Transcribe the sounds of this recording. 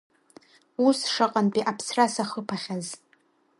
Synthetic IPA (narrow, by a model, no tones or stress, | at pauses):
usʂaqʼanpʼiʔapʰsrasaχəpʰaχʲaz